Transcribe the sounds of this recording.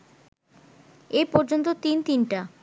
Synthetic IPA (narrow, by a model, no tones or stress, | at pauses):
ejpɔɾd͡ʑont̪̬ot̪int̪inʈa